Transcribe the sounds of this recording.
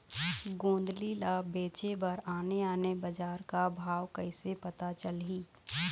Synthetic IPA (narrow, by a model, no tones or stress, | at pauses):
ɡõːnd̪lilabeːt͡ʃebəɾaːneaːnebəd͡ʒaːɾkabʱaːwkəɪsepət̪at͡ʃəlɦiː